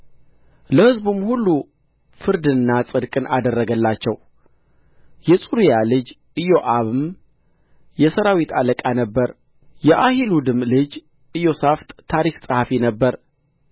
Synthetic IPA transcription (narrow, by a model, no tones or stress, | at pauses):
ləhɨzbumhulːu | fɨɾd̪ɨnːasʼɨd̪kʼɨnʔad̪ərːəɡəlːat͡ʃːɛw | jɛsʼuɾijalɨd͡ʒ | ɨjoʔaβɨm | jɛsəɾawit̪ʰaləkʼanəbːəɾ | jɛʔahilud̪ɨmlɨd͡ʒ | ɨjo̞saft̪ʼt̪ʰaɾiksʼəhafinəbːəɾ